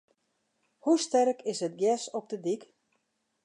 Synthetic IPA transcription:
hustɛrkʰɪsət̚ɡjɛsɔp̚dədik

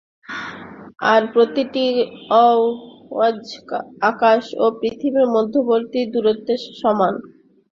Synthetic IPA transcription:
aɾpɾot̪iʈiɔwad͡ʑakaʃopɾit̪ʰibiɾmɔd̪ʱːoboɾt̪id̪uɾot̪ːeʃɔman

